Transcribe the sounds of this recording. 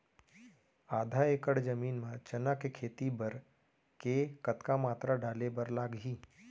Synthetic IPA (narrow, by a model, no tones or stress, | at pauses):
aːd̪ʱaeːkəɽd͡ʒɐmiːnmãt͡ʃɐnakekʰeːt̪ibəɾ | kekət̪kamaːt̪ɾaɖaːlebəɾlaːɡɦiː